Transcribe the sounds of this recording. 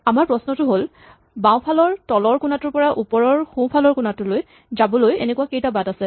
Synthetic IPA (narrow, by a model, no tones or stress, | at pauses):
amaɹpɹɔsnɔtʊɦol | bãw̃pʰalɔɹtɔlɔɹkunatʊɹpɔɹaʔupɔɹɔɹxũpʰalɔɹkunatʊloj | zabɔlojḛnɛkuakejtabadasɛ